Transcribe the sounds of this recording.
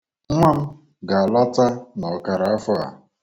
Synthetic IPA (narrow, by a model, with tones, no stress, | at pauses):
ŋʷa˦m̩˦ | ɡa˨a˨lɔ˦ta˦nɔ˨ka˨ɾa˨a˦fɔ˦a̰˨